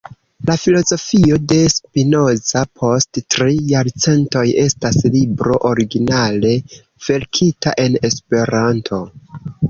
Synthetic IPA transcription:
lafilo̞zo̞fio̞de̞spino̞zapʰo̞sttɾijaɾt͡se̞nto̞je̞staslibɾo̞ʔoɾiɡinale̞ | v̥e̞ɾkʰita̰ʔe̞ne̞spe̞ɾantʰo̞

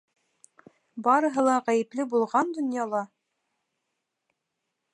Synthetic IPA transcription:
bɑɾɤ̆ɦɤ̆lˠɑʁæjɘ̆plɘbulˠʁɑnd̪ŏnjɑlˠɑ

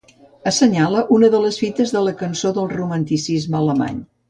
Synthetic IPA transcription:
əsəɲaləʔunəðələsfit̪əzðələkənsoðəlˠrumənt̪isizmələma̰ɲ

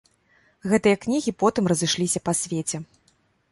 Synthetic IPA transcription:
ɣɛt̪ɨjɐknʲiɣʲipɔt̪ɨmrɐzɨʂlʲisʲɐpɐsʲvʲet͡sʲɛ

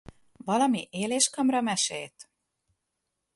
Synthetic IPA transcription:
vɒlɒmiʔeːleːʃkɒmrɒmɛʃḛːlt̪

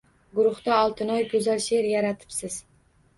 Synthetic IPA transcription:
ɡʊɾʊχt̪aɒlˠt̪ʰɪnɒjkʰʲɵzalʃeɾjaɾat̪ʰɪ̥psɪz̥

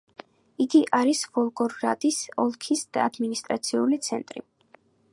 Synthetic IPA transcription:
iɡiʔaɾisvɔlˠɡʼɔɾɡɾat̪ʼisɔlˠkʰisd̪̥a̰ːd̪minist̪ʼɾat̪sʰiulit̪sʰɛnt̪ʼɾḭ

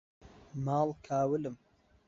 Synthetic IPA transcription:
maːlkʰaːwəlɨm

